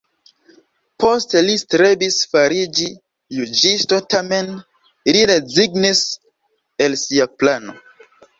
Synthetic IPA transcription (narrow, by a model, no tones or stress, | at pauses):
pʰo̞stelistɾebisfaɾid͡ʒi | jud͡ʒisto̞tame̞n | liɾeziɡnis | elsiaplano̞̰